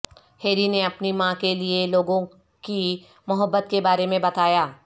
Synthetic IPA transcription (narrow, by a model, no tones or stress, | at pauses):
heːɾineɐpnimãkelieloːɡõ | ki | mʊɦəbːət̪kebaːɾemẽbɐt̪aːjaː